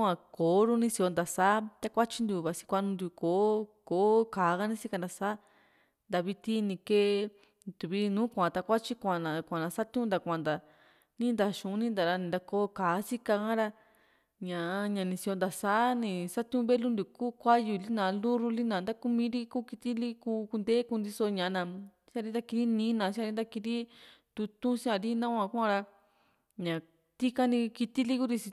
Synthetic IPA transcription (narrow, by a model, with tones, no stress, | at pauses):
ã˧koː˨˦ɾu˦nĩ˧si˧o˧nd̪a˨saː˨˦t̪a˧kʷa˦t͡ʃi˧nd̪u˨˧˨βa˨si̥˧kʷa˧nũ˧nd̪u˧˨koː˨˦koː˨˦kaː˨˦ɣa˦nĩ˦si˦ka˧nd̪a˧saː˦ | nd̪a˧βi˧t̪i˦nĩ˧ke˧ | t̪u˨βi˦˧nũː˨˦kʷã˨t̪a˧kʷa˦t͡ʃi˦kʷã˨nã˨kʷã˨nã˧sa˦t̪ũ˦nd̪a˧˨kʷã˨nd̪a˨ | nĩ˦nd̪a˧ʃũ˨˦nĩ˦nd̪a˨ɾa˧nĩ˧nd̪a˧koː˧˦kaː˨˦si˦ka˧kã˦ɾa˧ | ɲã˨˧ɲã˨˧nĩ˧si˧o˧nd̪a˨saː˨˦nĩ˧sa˦t̪ũ˧βe˦lu˦nd̪u˧˨ku˦kʷa˦ju˧˨˧li˦nã˨˧lu˦ɾu˧li˦nã˨nd̪a˦ku˧mĩ˦ɾi˦kuː˦ki˧t̪i˦li˦ku˧ku˧nd̪e˦ku˧nd̪i˧so˧ɲã˨˧nã˧˨ | sã˧ɾi˧˦d̪a˧ki˧ɾi˦nĩ˧˦nã˨sĩ˦ã˧i˧˦d̪a˧ki˧ɾi˦t̪u˧t̪ũ˦si˦ã˧ɾi˦nã˦kʷã˧ku˦ã˧ɾa˧ | ɲã˨ | t̪i˦ka˦nĩ˧ki˧t̪i˦li˦ku˦ɾi˧si˧